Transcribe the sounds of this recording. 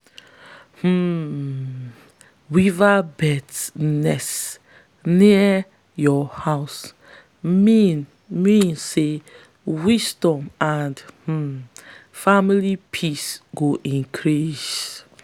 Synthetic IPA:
h̩ | wivabɛtnɛs | ni | jɔhaʊs | in | mĩnse | wisdɔ̃mãndh̩ | familipʰisɡoʔĩnkʰɹis

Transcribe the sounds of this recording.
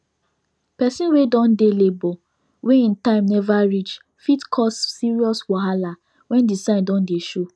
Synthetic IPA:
pɛsĩnwedɔ̃ndelebɔ | weĩntãɪ̃mnɛvaɹit͡ʃ | fitkʰɔsːiɹiɔswɔɦala | wɛ̃ndisãɪ̃ndɔ̃ndeʃo

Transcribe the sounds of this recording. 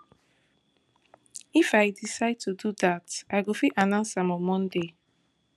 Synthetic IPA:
ifajdisaɪd̚tʰuduðataɪɡofiʔanãnsãmɔ̃mɔ̃nde

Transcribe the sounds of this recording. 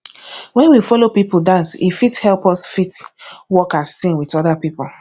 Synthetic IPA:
wɛ̃nwifɔlopipudãnsḭfithɛlˠpɔsfitwɔkastĩnwitɔdapipu

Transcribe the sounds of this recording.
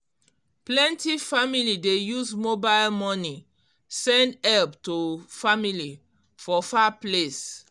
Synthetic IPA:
plɛ̃ntifamilidejuzmobaɪlmɔni | sɛ̃ndɛlptofamili | fɔfaples

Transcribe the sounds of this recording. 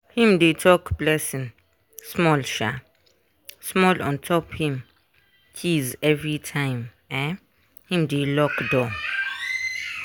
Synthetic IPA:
hĩmdetʰɔkb̥lɛsĩn | smɔlʃa | smɔlɔ̰̃ntʰɔphĩm | t͡ʃʰizɛvɹitʰãɪ̃m | ɛ̃ | hĩmdelɔkdɔ

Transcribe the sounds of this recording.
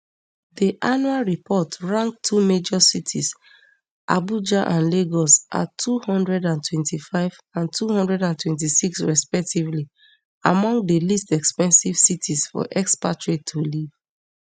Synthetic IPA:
diʔanualɹipʰɔtɹãŋk̚tʰumed͡ʒɔsitʰis | ʔa̰bud͡ʒaʔãnleɡɔsʔa̰tʰːuhɔ̃ndɹɛdãntʰwɛ̃ntʰifaɪv | ãntʰuhɔ̃ndɹɛdãntʰwɛ̃nt̬isiksɹɛspɛk̚tivli | a̰mɔ̃ŋɡ̚dəlistɛkspɛ̃nsiv̥sitʰisfɔ̰ʔɛkspatɹitʰoliv̥

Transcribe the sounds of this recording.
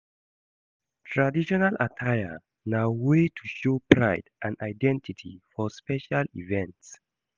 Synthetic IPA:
tʰɹadiʃɔnalʔa̰tʰajə | nawetʰuʃopʰɹaɪdʔãnaɪdɛ̃ntitʰḭfɔspɛʃalḭvɛ̃nts

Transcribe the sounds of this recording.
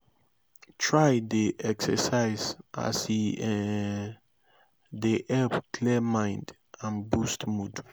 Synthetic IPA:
tʰɹajdeʔɛksɛ̰saɪza̰si | deʔɛpkʰlimãɪ̃nd | ãnbustmud

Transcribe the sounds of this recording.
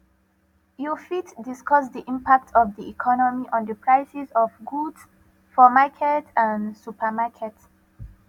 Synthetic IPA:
jufitdiskɔs̬diʔĩmpak̚tʰɔvdiikʰɔnɔmiʔɔ̃ndəpɹaɪsisɔvɡuds | fɔmakʰɛtãnsupʰəmakʰɛt

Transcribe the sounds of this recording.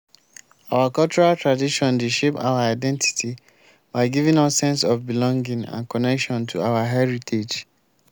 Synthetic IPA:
awakɔlt͡ʃɔɹaltɹadiʃɔ̃ndeʃepa̰ʊaaɪdɛ̃nti̥tʰi | baɪɡivĩŋɔssɛ̃nsɔvbilɔ̃ŋɡĩŋã̰nkɔnɛkʃɔ̃ntʰuawaɦɛɹitʰed͡ʒ

